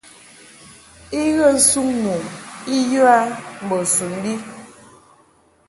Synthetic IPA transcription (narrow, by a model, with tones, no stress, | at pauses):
i˦ɣə˦˨n̩˦su˦ŋnu˨i˦ju˦a˦m̩˨bɔ˨su˨n˦bi˦